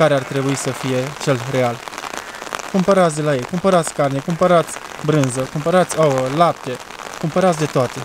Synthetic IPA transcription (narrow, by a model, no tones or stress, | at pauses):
aɾeart̪ɾe̞buisəfije̞t͡ʃe̞lre̞al | kumpəɾat̪sd̪e̞laje̞jkumpəɾat̪sʲkarne̞kumpəɾat̪sʲ | bɾɨnzəkumpəɾat̪sʲawəlap̚t̪e̞ | kumpəɾat̪sd̪e̞t̪oat̪e̞